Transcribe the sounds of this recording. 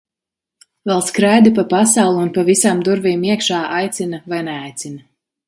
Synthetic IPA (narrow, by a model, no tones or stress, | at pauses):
vɛlˠskɾajd̪ipapasawlˠuunpavisamd̪uɾviːmiɛkʃaːʔajt̪sinɐvajnɛajt̪sinɐ